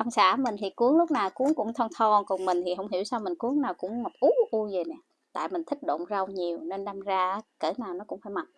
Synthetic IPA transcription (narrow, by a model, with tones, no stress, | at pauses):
ʔa˧ŋ͡msa̰ː˧˩˥mï˨˩ŋ̟t̪ʰi˨˩ku˨˦əŋlʊ˦˥k͡p̚naː˨˩wku˨˦əŋkʊ̰˧˥ŋ͡mt̪ʰɔ˧nt̪ʰɔ˧˩nkʊ˨˩ŋ͡mmï̟˨˩t̪ʰi˨˩ɦə˧˩wŋ͡mɦi˧˥əwsaː˧wmï˨˩ŋ̟ku˨˦əŋnaː˨˩wkʊ̰˧˥ŋ͡mma˨˩p̚ʔu˨˦˥ʔu˧zəː˨˩nɛ˨˩ | t̪a̰ː˧˨jmï˨˩ŋ̟t̪ʰï˦˥k̟̚ɗo̰˧˨nzə˧wɲi˨˩əwne˧nɗaː˧mzaː˧ʔːkəː˧˩naː˨˩wnɔ˨˦˥kʊ̰˧˥ŋ͡mfaː˧˦jma˨˩t̚